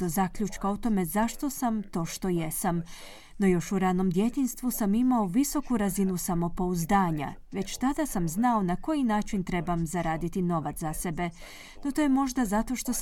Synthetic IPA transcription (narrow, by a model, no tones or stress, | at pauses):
ozakʎut͡ʃkaot̪o̞me̞zaʃt̪o̞samt̪o̞ːʃt̪o̞je̞sam | no̞jo̞ʃuɾano̞md̪jet̪inst̪ʋusamimaoʋiso̞kuɾazinusamo̞po̞uzd̪aːɲa̰ʋe̞t͡ɕt̪ad̪asamznao̞nako̞jinaːt͡ʃint̪ɾe̞bamzaɾaːd̪it̪ino̞ʋat̪ase̞be̞ | not̪o̞jemo̞ʒd̪azat̪o̞ʃt̪o̞